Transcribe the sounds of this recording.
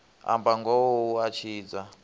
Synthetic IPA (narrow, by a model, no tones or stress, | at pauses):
a̰mbaŋɡɔwɔuat͡ʃʰiːd͡za